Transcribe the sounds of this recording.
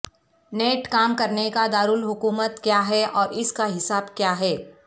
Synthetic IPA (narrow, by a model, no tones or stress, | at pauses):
neːʈkaːmkɐɾnekad̪aːɾulɦʊkuːmət̪kjaːɦɛɔːɾɪskaɦɪsaːbkjaːɦɛː